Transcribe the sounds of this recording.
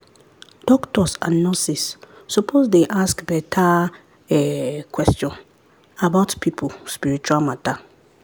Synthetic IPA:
d̥ɔktʰɔsã̰nːɔsisːupʰosdeʔaskbɛtʰa | ɛkʰwɛstiɔ̃n | abaʊtpʰipʰʊspiɾit͡ʃuamãtʰa

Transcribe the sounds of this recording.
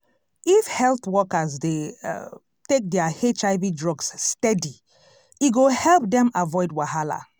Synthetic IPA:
ifhɛlθwɔkazde | tek̚dɛahet͡ʃaɪvidɹɔɡsːtɛdi | iɡohɛlˠp̚dɛ̃mavɔɪdwaɦala̰

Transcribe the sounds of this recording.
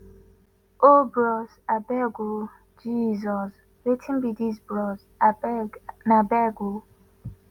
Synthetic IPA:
obɾɔzabɛɡo | d͡ʒizɔs | ɾetʰin̩bidizbɾɔz | nabɛɡo

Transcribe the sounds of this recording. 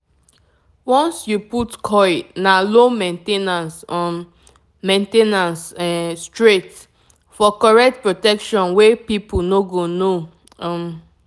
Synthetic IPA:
wɔ̃nsjuputkʰɔjnalomẽntenansɔ | mẽntenãnsstɹet | fɔkɔɹɛk̚t̚pɹotɛkʃɔ̃nwepipunoɡono | m

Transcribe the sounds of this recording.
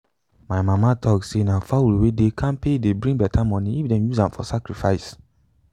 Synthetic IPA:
maɪmamatʰɔksenafawulwedekʰãnpedebɹĩŋɡbɛtʰamɔ̃niifdɛ̃mjuzãmfɔ̰sakɹifaɪs

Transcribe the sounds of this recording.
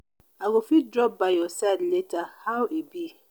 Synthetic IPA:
aɡofidɾɔp̚bajɔsadletahawebi

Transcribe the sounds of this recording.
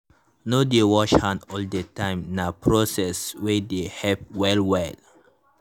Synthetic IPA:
nodewɔʃhãnɔldətãɪ̃mnapʰɹosɛswɛdehɛp̚wɛlwɛl

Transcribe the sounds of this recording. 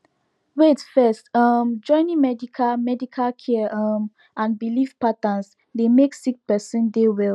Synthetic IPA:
wetfɛstʌmd͡ʒɔ̃ɪ̃nĩmɛdikʰalmɛdikʰalkʰɛʌm | ãnbilivpatãns | demeksik̚pɛsĩndewɛl

